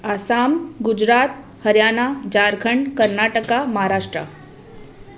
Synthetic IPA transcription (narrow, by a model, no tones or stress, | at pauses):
asamɡud͡ʑɾat̪̚ | həɾjanad͡ʑaɾɡʱəɳkəɾnaʈəkaməɦaɾaʂʈɾa̰